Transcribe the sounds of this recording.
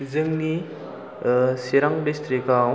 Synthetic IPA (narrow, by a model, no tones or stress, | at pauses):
zɯŋni | siɾaŋdistɾikaw